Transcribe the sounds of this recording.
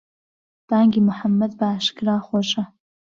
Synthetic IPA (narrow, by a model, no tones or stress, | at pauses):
b̥aːŋɡʲimʊħamːɐd̪baːʃɡraːχʷɔɕʼɐ